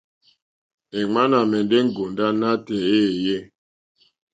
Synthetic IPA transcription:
e˨ŋ͡ma˦na˨mɛ˨nde˦ŋ˦ɡo˨nda˦na˦tɛ˨e˦˨je˦˨

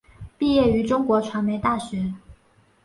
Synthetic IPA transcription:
pi˥˧jɛ˥˩y˧˥ʈ͡ʂʊ˥ŋkwɔ˧˥ʈ͡ʂʰwa˧˥nme˧˥ɪt̪a˥˩ɕɥɛ˧˥

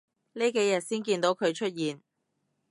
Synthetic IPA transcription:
ne˥ke˨˥jɐ˨˩t̚siː˥nkiː˧nt̪o˨˥wkʰɵ˨˧ɥt͡ʃʰɵ˥t̚jiː˨n

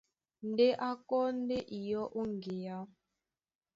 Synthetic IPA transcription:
n̩˨˦de˦ʔa˦kɔ˦n̩˦de˦ʔi˨jɔ˦ʔo˦ŋ˨ɡe˨ja˦

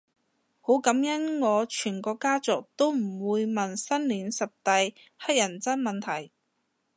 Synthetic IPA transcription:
ho˨˥wkɐ˨˥mjɐ˥nŋɔː˨˧t͡ʃʰyː˨˩nkɔː˧kaː˥t͡sʊ˨k̚t̪o˥wm̩˨˩wuː˨˧jmɐ˨nsɐ˥nliː˨˥nsɐ˨p̚t̪ɐ˧j | hɐ˥k̚jɐ˨˩nt͡sɐ˥nmɐ˨nt̪ʰɐ˨˩j

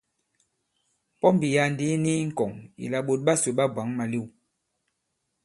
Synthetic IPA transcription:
pɔ˦mbi˨ja˨ndi˦ni˦ŋ̩˦˨kɔ˨ŋḭ˨la˨ɓo˨t̚ɓa˦so˨ɓa˦bwa˨˦ŋma˨li˦˨w

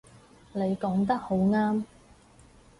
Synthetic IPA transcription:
ne˨˧jkɔː˨˥ŋt̪ɐ˥k̚ho˨˥wŋaː˥m

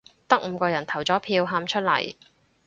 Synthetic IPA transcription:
t̪ɐ˥k̚m̩ː˨˧kɔː˧jɐ˨˩nt̪ʰɐ˨˩wt͡sɔː˨˥pʰiː˧wɦaː˧mt͡ʃʰɵ˥t̚lɐ̰˨˩j

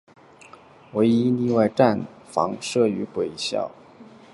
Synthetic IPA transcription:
we˧˥ɪi˥li˥˧wa˥˧ɪʈ͡ʂa˥˩nfɑ̰˧˥ŋʂɤ˥˩y˧˥kwe˨˩ɪɕjɑ̰˥˩ʊ

